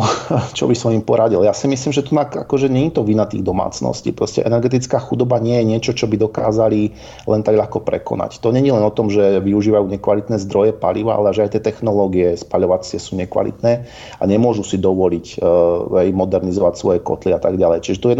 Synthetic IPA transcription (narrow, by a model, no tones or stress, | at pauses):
t͡ʃɔ̰bisɔmimpɔɾaɟiljaːsimisliːmʒɛt̪unaka̰kɔʒɛɲɛɲit̪ɔʋinat̪ḭːɣd̪ɔma̰ːt͡snɔ̰scḭːpɾɔscɛ̰ʔɛnɛɾɡɛt̪̬it͡skaːxud̪ɔbaɲɪɛjɛɲɪɛt͡ʃɔt͡ʃɔbid̪ɔkaːzali | lɛnt̪aɡʎaxkɔpɾɛ̰kɔ̰na̰ct̪ɔɲɛɲilɛnɔt̪ɔmʒɛʋiuʒiːʋajuːɲɛkʋalit̪nɛːzd̪ɾɔjɛpa̰liʋa̰a̰lɛaʒɛajt̪ɛt̪ɛxnɔlɔːɡiɛspaʎɔʋat͡sɪɛsuːɲɛkʋa̰lḭt̪nɛː | aɲɛmʊɔʒusid̪ɔʋɔlic | ɛjmɔd̪ɛɾnizɔʋacsʋɔjɛkɔ̰t̪liat̪aɡɟalɛjt͡ʃiʒɛt̪ɔjɛ